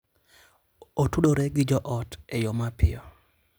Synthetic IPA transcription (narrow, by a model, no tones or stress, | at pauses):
otuɗoɾeɡɪd͡ʒɔʔɔtejomapɪ̰ɔ